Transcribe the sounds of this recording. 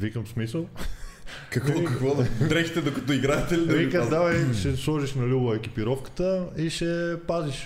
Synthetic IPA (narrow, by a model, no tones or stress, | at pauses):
vikəmsmisəlˠ | kɐkikɐkvɔd̪t̪ɾɛxit̪ɛd̪okɐ̥t̪ɔiɡɾaɛt̪ɛlid̪ɐvikad̪avɐjʃɛslˠɔʒiʃnɐlʲubɐɛk̟ʲipiɾɔfkə̥t̪əiʃɛpaziʃ